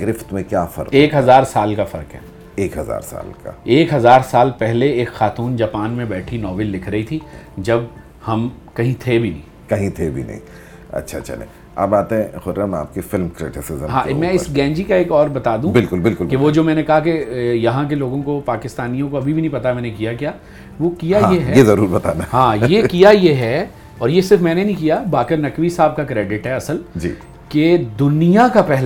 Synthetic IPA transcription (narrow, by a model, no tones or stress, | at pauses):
ɡɾɪft̪mẽkjaːfɐ̰ɾeːkɦɐzaːɾsaːlkafɐɾkɦɛ̰ː | eːkɦɐza̰ːɾsa̰ːlka̰eːkɦɐzaːɾsaːlpɛɦleeːkxaːt̪uːnd͡ʒaːpaːnmẽbɛːʈʰinɔːʋɪlːɪkʰɾɐɦit̪ʰid͡ʒɐb | hɐm | kɐɦĩt̪ʰebʱinɐ̃ɦĩː | kɐɦĩt̪ʰebʱḭnɐ̰ɦḭ̃ | ɐ̰tːʃʰatːt͡ʃɐ̰lḛ̃ | a̰ːbbaːt̪ẽxʊɾɾəma̰ːp̚kefɪlmkɾɪ̰ʈɪsɪzə̰̃ɦãːmɛ̃ɪsɡɛ̃ːɲd͡ʒikaeːkɔːɾbɐt̪aːd̪ũbɪlkʊlbɪlkʊlbkeʋod͡ʒoːmɛ̃ːnekɐɦakejɐɦãk̬eloːɡõkopaːkɪst̪aːnijõkoɐbʱibʱinɐ̃ĩpɐt̪amɛ̃ːnekijakjaː | ʋokijaãjeɦɛjezɐɾuːɾbɐt̪a̰ːnaɦãːjekijajeɦɛ | ɔːɾjesɪɾfmɛ̃ːnenĩkijabaːkɪɾnɐkʋisaːb̚kakɾeːɖɪʈɦɛɐsəld͡ʒḭː | ked̪ʊnijakapɛɦl